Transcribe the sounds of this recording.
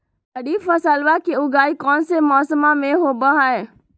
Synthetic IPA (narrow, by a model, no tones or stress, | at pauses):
əɽiːfʰəsalʋakiʊɡaːikɔːnsemɔːsəmãmẽɦoːbəɦaeː